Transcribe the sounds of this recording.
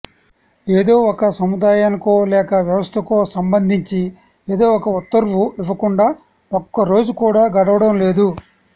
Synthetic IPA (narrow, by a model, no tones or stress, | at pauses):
eːd̪o̞ːɔkɐsɐmud̪aːjaːnɐkoːlɛːkɐʋjɐʋɐst̪ʰɐkoːsɐmbɐnd̪ʱiɲt͡ʃi | eːd̪o̞ːɔkɐut̪ːɐɾʋuiʋɐkuɳɖaː | okːɐɾo̞ːd͡ʒukuːɽaːɡɐɽɐʋɐɽɐmle̞ːd̪u